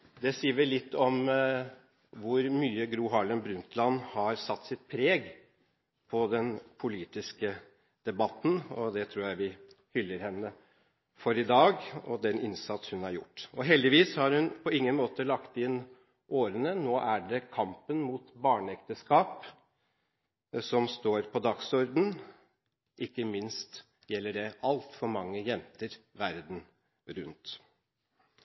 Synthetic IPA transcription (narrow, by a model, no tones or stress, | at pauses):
d̪ɛsiːʋɪlɪt̪ːɔm | ʋʊɾmyːəɡɾuːɦɑɭənbɾʉnt̪lɑnhɑɾsɑt̪ːsɪt̪̚pʰɾeːɡ | pʰɔd̪ɛnpʰʊliːt̪ɪskə | d̪̥ɛbɑt̪ːn̩ɔd̪ɛt̪ʰɾuːjæɪʋɪhʏlːəɾhɛnːə | fɔɾɪd̪ɑːɡɔ̰d̪ɛnɪnsɑt̪shʉnhɑɾjʊ̰ʈːɔɦɛld̪ɪʋiːshɑɾhʉnpʰɔɪŋːənmoːt̪əlɑkt̪ɪn | ʔoːɾənənoːʔæɖɛkʰɑmpənmuːt̪bɑːɳəɛkt̪əskɑːp | sɔmst̪oːɾpʰɔd̪ɑɡsɔɾd̪n̩ | ʔɪkːəmɪnst̪ | jɛlːəɖɛʔɑlt̪fɔɾmɑŋːəjɛnt̪əɾʋæɾd̪n̩ | ɾʉnt̪